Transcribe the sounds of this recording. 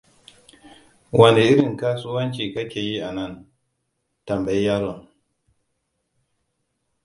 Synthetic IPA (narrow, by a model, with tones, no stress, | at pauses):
wʔɐ˨nde˨ʔɪ˦ɾɪ˨ŋkaː˦sʊ˦wɐ˦nt͡ʃiː˨kɐ˦kʲeː˨ji˦ʔa˨nɐ˦˨n | tɐ˨mba˨ji˦jaː˦ɾo˨ŋ